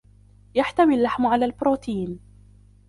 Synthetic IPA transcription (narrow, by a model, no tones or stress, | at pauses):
jaħt̪amɪlːaħmʕalaːlbɾoːt̪iːn